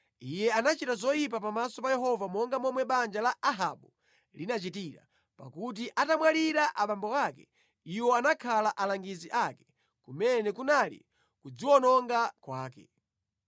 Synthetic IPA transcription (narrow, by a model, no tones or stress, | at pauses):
ijɛanat͡ʃitazɔjip̬apamasɔpajɛɦɔvamɔŋɡamɔmwɛɓand͡ʒalaʔaɦaɓu | linat͡ʃitiɾa̰ | pa̰kut̬iʔatamwaliɾaʔaɓambɔwakɛ | iwɔanakʰalaʔalaŋɡiziʔakɛ̥ | kumɛnɛkunalḭ | kud͡ziwɔnɔŋɡakwaːkɛ̰